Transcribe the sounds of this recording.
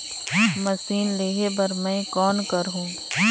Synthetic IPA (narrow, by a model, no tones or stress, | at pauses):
mɐsiːnleːɦebɐɾmɛ̃ːkɔːnkɐɾɦũː